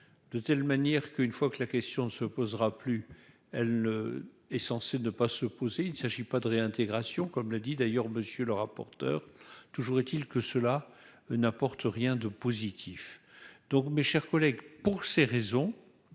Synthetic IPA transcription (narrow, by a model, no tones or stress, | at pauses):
d̪̥ət̪ɛlmanjɛʁkəynfwakəlakʲɛst̪jɔ̃nəsəpozʁaply | ɛlnə | ɛsɑ̃senəpasəpozeinsaʒipad̪əʁeɛ̃t̪eɡʁasjɔ̃kɔmlad̪id̪ajœʁməsjøləʁapɔ̰ʁt̪œ̰ːʁt̪uʒuʁɛt̪ilkəsəla | napɔʁt̪əʁjɛ̃d̪əpozit̪ʰifd̪̥ɔ̃kmeʃɛʁkɔlɛɡpuʁseʁezɔ̃